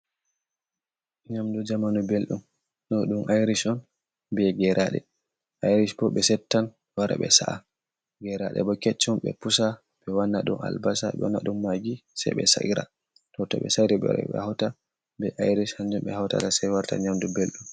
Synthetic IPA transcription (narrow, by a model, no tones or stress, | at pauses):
ɲamdud͡ʒamanubelɗum | nɔɗumʔajɾisɔn | bɛɡɛɾʔaɗɛ̰ | ʔajɾisbɔɓɛsɛtːan | waɾa̰ɓɛ̰sa̰ʔa | ɡɛɾaɗɛ̰bɔkɛt͡ʃːumɓɛ̰pusa | ɓɛwanːaɗuma̰lbasa̰ɓɛ̰wanːaɗumːaɡisa̰jɓɛ̰sa̰ʔiɾa̰ | tɔtɔ̰ɓɛ̰saɾɛɓɛ̰ɾɔ̰ɓɛ̰hawta | bɛʔajɾishaɲd͡ʒumɓɛhawta̰tasajwaɾta̰ɲamdubelɗum